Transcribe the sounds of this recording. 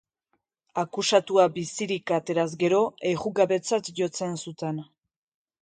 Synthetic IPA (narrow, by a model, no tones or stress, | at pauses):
akusat̪uabisiɾikat̪e̞ɾazɡe̞ɾo̞e̞ɣuɣaβe̞t͡sat̪ʝo̞t͡se̞nsut̪e̞n